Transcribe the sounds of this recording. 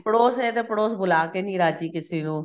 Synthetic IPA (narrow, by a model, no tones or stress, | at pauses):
pɽoːsɛt̪epɽoːsbʊlaːkenĩːɾaːd͡ʒiːkɪsiːnũː